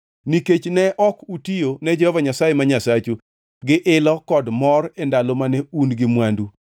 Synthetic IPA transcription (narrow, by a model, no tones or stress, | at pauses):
niket͡ʃnɛʔɔkutijonɛd͡ʒɛhɔvaɲasajemaɲasat͡ʃu | ɡɪʔɪlɔkɔdmɔrendalomanɛunɡɪmwandu